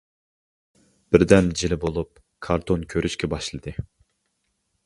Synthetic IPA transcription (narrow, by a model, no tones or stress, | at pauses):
b̥ɪɾd̪ɛnd͡ʒilɪbolˠup̚ | kʰɑɾt̪ʰonkʲʰøɾyʃkʲɛbɑʃlˠɨd̪ɨ